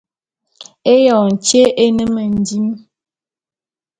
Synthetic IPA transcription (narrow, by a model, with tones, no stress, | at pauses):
e˦jɔ˨n˨t͡ʃje˦ʔe˦nə˦mə˨n̩˨di˦m